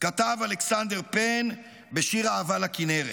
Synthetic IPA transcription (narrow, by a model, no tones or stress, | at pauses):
kat̪avaleksand̪e̞ʁpen | be̞ʃiʁaːvalakineʁe